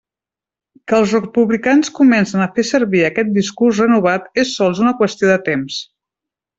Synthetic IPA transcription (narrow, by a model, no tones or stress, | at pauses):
kəːlˠzsrəpuβlikanskumɛnsənəfesəɾβiəkɛt̪̚d̪iskurs̬rənuβ̞at̪esːɔlˠzunəkwəst̪ioðət̪ems